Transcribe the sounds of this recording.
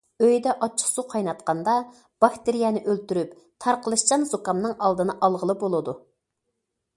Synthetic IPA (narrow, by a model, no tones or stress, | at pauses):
øjd̪ɛʔɑt͡ʃʰːə̥χsuqʰɑjnɑt̪qɑnd̪ɑ | b̥ɑkt̪ɪɾijɛnɪʔølt̪yɾyp | t̪ʰɑɾqʰəlˠɨʃt͡ʃɑnzokɑmnɨŋʔɑlˠd̪ɨnɨʔɑlˠʁəlˠɨbolˠɨd̪u